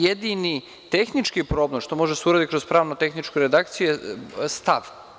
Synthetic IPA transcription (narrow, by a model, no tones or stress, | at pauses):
jed̪ini | t̪exnit͡ʃkipɾo̞ːblemʃt̪o̞moʒed̪aseuɾad̪itkɾospɾaːʋnot̪e̞xnit͡ʃkuɾed̪akt̪sijuest̪aʋ